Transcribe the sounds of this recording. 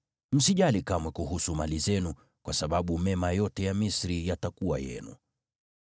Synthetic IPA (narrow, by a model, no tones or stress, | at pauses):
m̩siʄalikamwɛkuɦusumalizɛnu | kwasaɓaɓumɛmajɔtɛjamisɾijatakuwajɛ̰nṵ